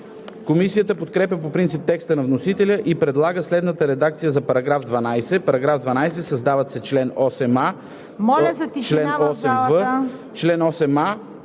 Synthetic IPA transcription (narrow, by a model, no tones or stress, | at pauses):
komisijət̪əpot̪̚kɾɛp̬ʲjəpopɾint̪sip̚t̪ɛkst̪ənɐvnosit̪ɛlʲəʔipɾɛd̪lˠaɡəslɛd̪nət̪əɾɛd̪akt̪sijəzɐpɐɾɐɡɾafd̪vɐnajsɛpɐɾɐɡɾavd̪vɐnajsɛsɐzd̪avət̪sɛt͡ʃlɛnɔsɛma | mɔlɐzɐt̪it͡ʃlɛnɔsɛmvət͡ʃlɛnɔsɛma